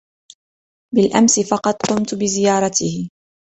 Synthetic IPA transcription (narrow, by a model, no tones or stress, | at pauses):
bɪlʔamsɪfɑqɑd̪qʊmt̪bɪzɪjɑːɾˤɑt̪ɪhɪ